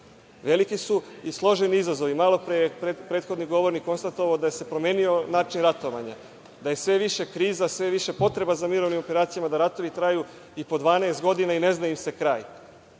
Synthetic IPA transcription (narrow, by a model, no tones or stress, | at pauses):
ʋe̞likisuislˠo̞ʒe̞niizazo̞ʋimalo̞pɾepepɾet̪xo̞d̪niɡo̞ʋo̞ɾnikːo̞nst̪at̪oʋaod̪ajese̞pɾo̞me̞ːnio̞naːt͡ʃinɾat̪o̞ʋa̰ɲa̰ | d̪aje̞sʋe̞ʋiʃe̞kɾiːzasʋe̞ʋiʃe̞po̞t̪ɾe̞bazamiɾo̞ʋnimo̞pe̞ɾaːt̪sijamad̪aɾat̪o̞ʋit̪ɾaju | ipo̞d̪ʋaːneːst̪ɡo̞d̪inaine̞znaimse̞kɾaːj